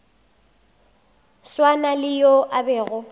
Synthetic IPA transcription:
swanalɪjoʔabɛːɣʊ

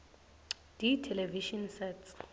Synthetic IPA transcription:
d̥itʰɛlɛviʃɔnsɛts

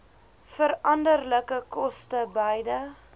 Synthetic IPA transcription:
fəɾɐndərləkəkɔstəbəjdə

